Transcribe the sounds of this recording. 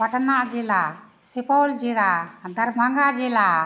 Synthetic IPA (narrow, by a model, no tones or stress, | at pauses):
paʈnaʔd͡ʒɛla | sipɔld͡ʒɛɾad̪aɾbʱaŋɡad͡ʒɛla